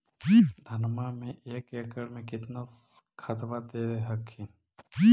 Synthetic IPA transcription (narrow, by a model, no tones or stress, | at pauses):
d̪ʱənmamẽʔeːkekəɽmẽkɪt̪nakʰət̪ʋat̪eːɾeɦəkʰːi